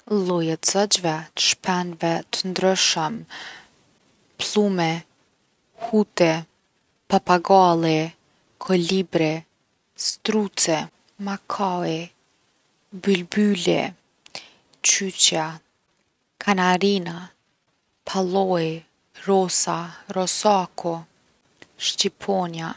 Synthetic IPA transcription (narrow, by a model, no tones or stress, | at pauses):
lˠɔjat̪zɔd͡ʒvɛt̪ə̥ʃpʰɛnvɛt̪ənd̪ɾɛʃəm | plˠumɛ | hut̪ɛ | papaɡalˠɛ | kʰɔlibɾɛ | st̪ɾut͡sɛ | makʰaɛ | bylbylɛ̰ | t͡ʃyt͡ʃa | kʰanaɾina | pʰalˠɔj | ɾɔsaɾɔsakʰɔ | ʃt͡ʃipʰɔnja